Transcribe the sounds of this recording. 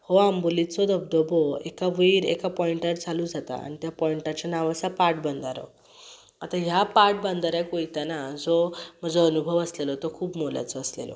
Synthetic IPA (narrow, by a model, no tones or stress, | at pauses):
hoambulit͡sɔd̪əb̚d̪ɔbɔekaʋijɾḛkapɔiɳʈaɾt͡salud͡zat̪a̰a̰nit̪japɔiɳʈat͡ɕanaʋasapaɾʈ̚bənd̪ʱaɾɔ̰ | at̪aɦjapaɾʈ̚band̪ʱaɾakoit̪anad͡zɔm̤əd͡zoənubʱəʋəslelɔt̪ɔkʰuːbmolja̰t͡sɔəslḛlɔ̰